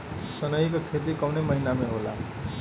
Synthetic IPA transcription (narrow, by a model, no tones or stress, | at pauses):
sʌnʌikokʰet̪̬ikʌwnemʌɦinameɦola̰